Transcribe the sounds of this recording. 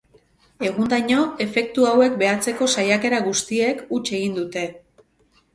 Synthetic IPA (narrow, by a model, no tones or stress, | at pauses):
e̞ɣ̞und̪ajɲo̞e̞fe̞k̚t̪uawe̞k̚be̞at͡se̞ko̞sajake̞ɾaɣust̪ie̞kut͡ʃe̞ɣind̪ut̪e̞